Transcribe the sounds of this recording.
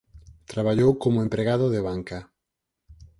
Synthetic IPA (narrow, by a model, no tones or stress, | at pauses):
t̪ɾaβ̞aʎowkomʊẽmpɾeɣaðʊðeβaŋka